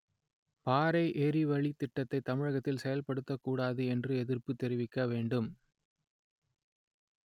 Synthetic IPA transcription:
paːɾɐɪʔeːɾiʋɐɭit̪ːɪʈːɐt̪ːɐɪt̪ːɐmɪɻɐɣɐt̪ːɪlsɛjɐlpɐɽɯt̪ːɐkːuːɽaːðɯɛndrɯɛðɪrpɯt̪ːɛɾɪʋɪkːɐʋeːɳɖɯm

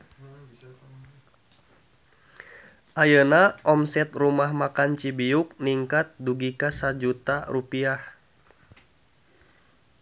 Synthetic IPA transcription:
ʔajənaʔɔmsɛt̪rumahmakant͡ʃibiuk̚niŋkat̪̚duɡikasad͡ʒut̪arupiah

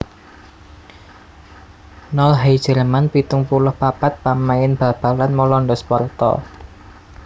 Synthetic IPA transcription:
nɔlɦajd̥ʒ̥ə̤ɾəmanpit̪ʊŋpulʊhpapat̪̚pamaɪnb̥ä̤b̥a̤lanmɔlɔnɖɔspɔrt̪ɔ̰

